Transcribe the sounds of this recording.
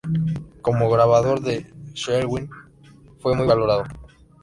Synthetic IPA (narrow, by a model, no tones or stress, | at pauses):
ko̞moɣɾaβ̞aðo̞ɾðeʃeɾɣwin | fwe̞mujβalo̞ɾaðo